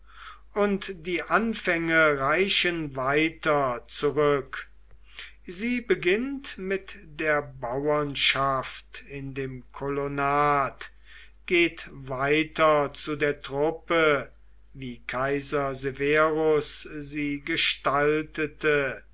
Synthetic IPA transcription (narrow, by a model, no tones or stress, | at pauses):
ʔʊntd̥iːʔanfɛŋəʁaɪʃənvaɪtɐt͡suʁʏk | ziːbəɡɪntmɪtd̥eːɐbawɐnʃaftɪndeːmkʰɔlonaːt | ɡ̥eːtvaɪtɐt͡sudeːɐtʁ̥ʊpə | viːkʰaɪzɐzeveʁʊsziːɡəʃtaltətʰə